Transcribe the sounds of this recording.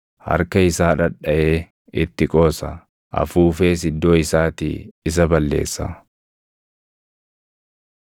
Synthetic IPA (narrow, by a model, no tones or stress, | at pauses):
hɐ̰ɾkɐɪsaːᶑɐᶑɐʔe̞ː | ɪt̪ːɪkʼo̞ːsɐ | ʔɐ̰fuːfeːs̬ɪd̪ːo̞ːɪsaːt̪ḭːɪs̬ɐbɐlːḛːsːɐ